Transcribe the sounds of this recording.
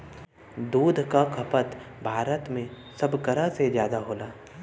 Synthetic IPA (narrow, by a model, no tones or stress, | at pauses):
d̪uːd̪ʱkakʰɐpət̪bʱaːɾət̪mẽ | sɐbkɐɾasezjaːd̪aɦoːlaː